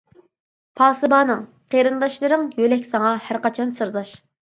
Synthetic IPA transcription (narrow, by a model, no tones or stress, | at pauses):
pʰɑːsɨbɑːnɨŋ | qʰeɾɨnd̪ɑʃlˠɨɾɨŋjølɛkʲsɑŋɑhæɾqɑt͡ʃʰɑnsɨɾd̪ɑʃ